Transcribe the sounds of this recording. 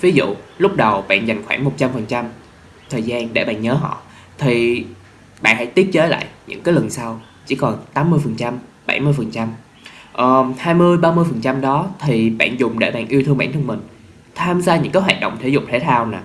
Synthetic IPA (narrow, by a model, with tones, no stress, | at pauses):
vi˨˦zṵ˧˨lʊ˦˥k͡p̚ɗə˨˩wɓa̰ː˧˨nza˨˩jŋ̟xwaː˧˩ŋmo˨˩t̚t͡ɕa˧mfə˨˩nt͡ɕa˧m | t̪ʰəː˨˩jzaː˧nɗe˧˩ɓa̰ː˧˨nɲəː˨˦ɦɔ̰˧˨ | t̪ʰi˨˩ | ɓa̰ː˧˨nha̰˧˥jt̪i˦˥ət̚t͡ɕeː˨˦la̰ː˧˨jɲɨ̰˧˥kaː˨˦jlə˨˩nsa˧w | t͡ɕḭ˧˩kɔ˨˩nt̪aː˨˦mːɨ˧əjfə˨˩nt͡ɕa˧m | ɓa̰˧˩jmɨ˧jfə˨˩nt͡ɕa˧m | ʔəː˨˩haː˧jmɨ˧əjɓaː˧mɨ˧əjfə˨˩nt͡ɕa˧mɗɔ˨˦t̪ʰi˨˩ɓa̰ː˧˨nzʊ˨˩ŋ͡mɗe˧˩ɓa̰ː˧˨nʔi˧ət̪ʰɨ˧əŋɓa̰ː˧˨nt̪ʰɨ˧ŋ͡mmï˨˩ŋ̟ | t̪ʰaː˧mzaː˧ɲɨ̰˧˥ŋkaː˨˦ɦwa̰ː˧˨˩t̚ɗə̰˧˨ŋ͡mt̪ʰe˧˩jzʊ̰˨˧˩k͡p̚t̪ʰe˧˦t̪ʰaː˧wnaː˨˩